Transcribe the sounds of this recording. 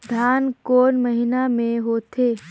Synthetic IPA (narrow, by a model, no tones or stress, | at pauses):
d̪ʱaːnkoːnməɦɪnamẽɦoːt̪eː